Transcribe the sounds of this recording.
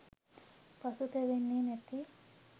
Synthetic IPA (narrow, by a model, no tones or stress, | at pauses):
pɐsut̪eʋinːinet̪ːi